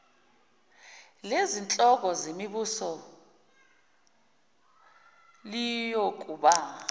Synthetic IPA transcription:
lezint͡ɬʼɔk̬ɔzemiɓusɔ | lijok̬uɓa

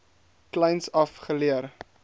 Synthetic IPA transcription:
klɐjnsɐfχəliər

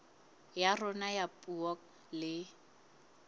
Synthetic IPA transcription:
jarɔnajapʼuɔk | lɪ

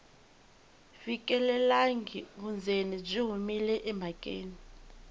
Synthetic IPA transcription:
fikʼɛlɛlaŋɡiβund͡zʱenib͡ʐiɦumilɛʔɛmʱakʼḛːni

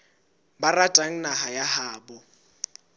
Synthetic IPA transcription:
baratʼaŋ̩naɦajahaːbɔ

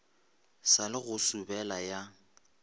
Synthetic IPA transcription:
salɪɣʊsubɛlaja

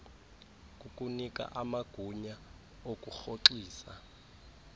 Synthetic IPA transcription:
kʼukʼunikʼa̰ʔamaɡ̥ʱuɲa | okʼuxoǁiːsa̰

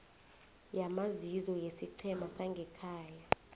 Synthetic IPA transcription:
jamazizɔjesiǀʰɛmasaŋɡʱɛkʰaːja

